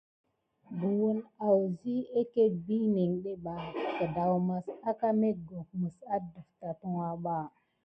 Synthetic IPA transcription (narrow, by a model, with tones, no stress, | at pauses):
ɡu˨wu˦na˨wzi˦e˦ke˦bi˦ni˨ŋɗe˦ɓa˨ka˨da˨wma˨sa˦ka˦me˦ɡo˨kmə˨sa˦də˨fta˨tu˦wa˦ɓa˦˨